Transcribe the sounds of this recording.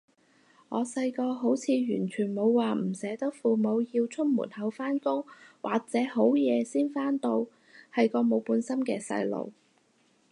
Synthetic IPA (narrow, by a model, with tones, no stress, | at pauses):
ŋɔː˨˧sɐ˧jkɔː˧ɦo˨˥wt͡sʰiː˨˧jyː˨˩nt͡ʃʰyː˨˩nmo˨˧wːaː˨m̩˨˩sɛː˨˥t̪ɐ˥k̚fuː˨mo˨˧wjiː˧wt͡sʰʊ˥t̚mṵ˨˩nhɐ˨˧wfaː˥nkʊ˥ŋwʔa̰ː˨k̚t͡sɛː˨˥ɦo˨˥wjɛː˨˧siː˥nfaː˥nt̪o˧w | hɐ˨jkɔː˧mo˨˧wpuː˨˧nsɐ˥mkɛː˧sɐ̰˧jlo̰˨˧w